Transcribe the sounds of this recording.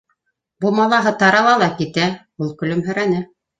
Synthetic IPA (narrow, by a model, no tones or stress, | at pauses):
bumɑlˠɑɦɤt̪ɑɾɑlˠɑlˠɑkit̪æ | ulˠkɵ̆lɵmɦɵ̆ɾænɘ